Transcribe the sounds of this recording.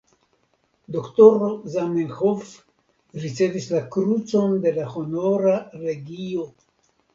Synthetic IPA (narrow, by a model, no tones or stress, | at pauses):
d̪okt̪oɾozamenxof | ɾit͡se̞vislakɾut͡so̞nd̪e̞laho̞no̞ɾaɾe̞ɡio